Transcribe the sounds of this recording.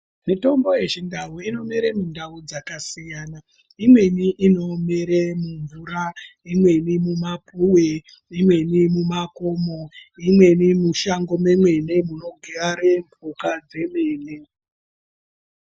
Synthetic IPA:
mito̞mbo̞je̞ʐindauino̞meɾemundaud͡zakasijana | imwe̞niʔino̞meɾemuɱvuɾaimwe̞nimumapʰuwe | imwe̞nimumako̞moimwe̞nimuʃaŋɡo̞memwe̞ne̞muno̞ɡʱiraɾeɱbʱukad͡ze̞me̞ːne

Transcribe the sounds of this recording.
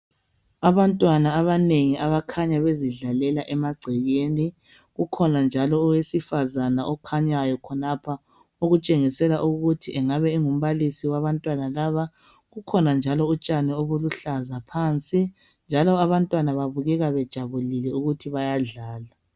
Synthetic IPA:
aβantʼwanaːβaneŋiʔaβakʰaɲaβeziɮalɛlaʔɛmaɡ͡ǀʱɛɣeːni | ɣukʰɔnand͡ʒʱalɔːwesifazanaʔɔkʰaɲajɔkʰɔnapʰa | oɣut͡ʃʼeŋisɛlaʔuɣutʰiʔɛŋaβɛiŋum̩βalisiwaβantʼwanalaβa | ɣukʰɔnand͡ʒʱalɔut͡ʃʼanɛoβuluɬazapʰaːnt͡sʼi | nd͡ʒʱalɔaβantʼwanaβaβuɣɛɣaβɛd̥ʒ̥ʱaβulilɛuɣutʰiβajaɮaːla

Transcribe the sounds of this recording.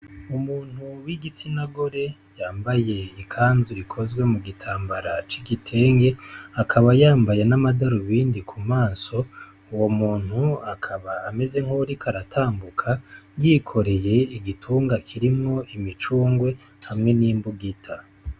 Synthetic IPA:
umuːn̥huwiɡit͡sinaɡo̞ɾe̞ | jaːmbaje̞ikʰaːnzuɾikʰo̞zɡwe̞muɡitʰaːmbaɾat͡ʃiɡitʰe̞ːŋɡe̞akʰaβajaːmbajenamadaɾuβiːndikʰumaːso̞ | uwo̞muːn̥huakʰaβaːme̞ze̞ŋ̥hoɾikʰaɾatʰaːmbukʰaɡikʰo̞ɾe̞je̞iɡitʰuːŋɡakʰiɾimŋo̞ʔimit͡ʃuːŋɡwe̞ | hamŋe̞niːmbuɡitʰa

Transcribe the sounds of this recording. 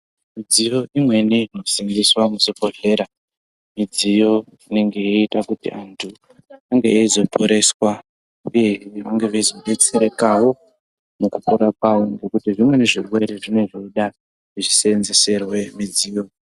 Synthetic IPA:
mid͡zijo̞imwe̞niino̞siŋɡiswamusopo̞ɮe̞ːɾa | mid͡zijo̞ | ine̞ŋɡe̞eitakutḭʔantʰu | aŋɡeeizo̞pʰoɾe̞swa | uje̞ɦʋaŋɡe̞ʋezobet͡siɾekawo̞ | mukupuɾak̚wawoŋɡo̞kutiʐimwe̞neʐirwe̞ɾeʐine̞ʐoɗa | ʐiʐisenzese̞rwe̞mid͡ziːjo̞

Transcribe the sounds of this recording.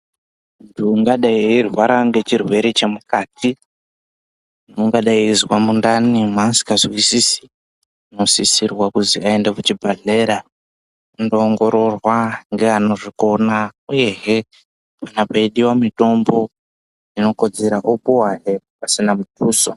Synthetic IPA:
untʰuːŋɡaɗaiirwaɾaŋɡe̞t͡ʃirwe̞ɾet͡ʃe̞mukaːtʰi | noŋɡaɗaizwamundanimansi̥kazwisisi̥ | no̞sisirwakuziaendakut͡ʃibʱaɮe̞ɾa | undoːŋɡo̞ɾo̞rwaŋɡeano̞ʐiko̞nauje̞ɦe | panapaiɗiwamito̞mbo̞ | ino̞ko̞d͡ze̞ɾaʔopuwaɦe | pasinamutuːso

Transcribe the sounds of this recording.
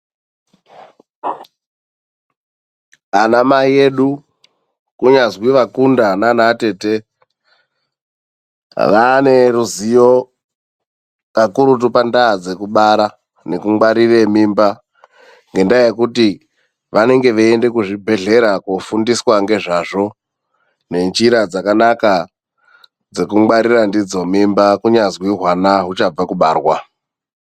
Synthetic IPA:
anamaje̞ɗu | kuɲazwiʋakundananate̞ːte | ʋane̞ruzijo | kakuɾutupandaːd͡ze̞kuɓaɾa | ne̞kumɡ͡bwaɾiremimba | ŋɡe̞ndajekuti | ʋane̞ŋɡe̞ʋeende̞kuʐibʱe̞ɮe̞ɾakofundiswaŋɡe̞ʐaʐo̞ | ne̞nt͡ʃiɾad͡zakanaka | d͡ze̞kumɡ͡baɾirandid͡zo̞mimbakuɲazwiɦwanaɦut͡ʃab͡vakuɓaːrwa

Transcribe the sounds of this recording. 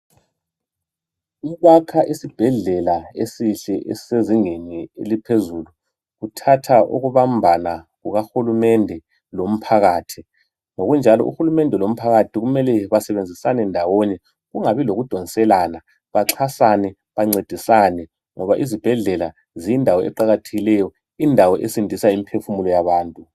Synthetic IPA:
iβakʰaʔisib̥ʱɛɮɛlaesiɬɛʔɛseziŋeniḛlipʰezuːlu | ɣutʰatʰaʔṵɣuβambʱanaɣuɣaxulumɛndʱɛ | lom̩pʰaɣaːtʰi | ŋoɣund͡ʒʱalɔ̰ʔṵxulumɛndʱɛlom̩pʰaɣatʰiɣumɛlɛβasɛβend͡zʱisanɛndʱawɔɲɛ | ɣuŋaβiloɣud̥ʱɔnisɛlaːna | βaǁʰasanɛ | βaŋ͡ǀed̥ʱisanɛ | ŋɔβaʔizib̥ʱɛɮɛla | ziindʱawɔɛ̰ǃaɣatʰeɣilɛjɔ | indʱawɔʔesindʱisaimipʰefumulɔjaβaːntʼu

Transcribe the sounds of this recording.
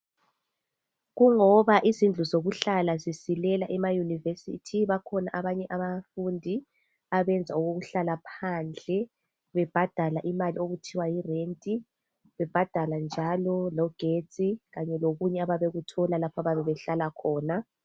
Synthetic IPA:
ɣuŋɔβaʔizind͡ɮʱuzoɣuɬalazisilɛlaʔɛmajunivesḭtʰiβakʰɔnaʔaβaɲɛʔaβafundʱi | aβɛnd͡zʱauɣoɣuɬalapʰaːnd͡ɮʱɛ | βɛb̥ʱad̥ʱalaʔimalioɣutʰiwajirentʼi | βɛb̥ʱad̥ʱaland͡ʒʱalɔlɔɡ̥ʱe̥t͡sʼiɣaɲɛloɣuɲɛaβaβeɣutʰɔlalapʰaβaβɛβɛɬalakʰɔːna

